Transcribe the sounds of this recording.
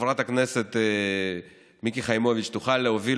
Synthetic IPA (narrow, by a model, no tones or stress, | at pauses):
vʁat̪akneset̪ | mikiχajmovit͡ʃt̪uχalːeovi